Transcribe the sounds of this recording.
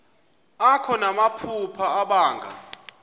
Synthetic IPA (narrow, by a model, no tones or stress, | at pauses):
akʰɔnamapʰupʰaaɓaːŋɡʱa̰